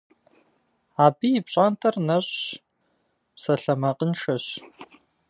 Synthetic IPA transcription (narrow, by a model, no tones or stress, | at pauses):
aːbiːjɪpɕʼaːntʰɐrnɐɕʼ | psɐɬɐmɐqʼənʂɐɕ